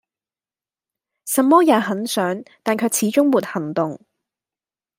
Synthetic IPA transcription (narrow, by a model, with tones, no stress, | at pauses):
sɐ˨mːɔː˥jaː˨˧ɦɐ˨˥nsœː˨˥ŋt̪aː˨nkʰɵ˨˧ɥt͡sʰiː˨˥t͡ʃʊ˥ŋmuː˨˩t̚hɐ˨˩ŋt̪ʊ˨ŋ